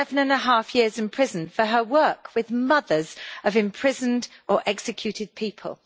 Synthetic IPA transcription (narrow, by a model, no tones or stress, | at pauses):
ɛvə̃nə̃nəɦɑˑfjɪəzɪ̃npʰɹ̥ɪzə̃nfəəwɜˑkʰwɪðmʌðəz̥əvɪ̃mpʰɹ̥ɪzə̃ndəɹʔɛksɪkʰj̥ʉˑtʰɪd̥̚pʰiˑpʰə̰lˠ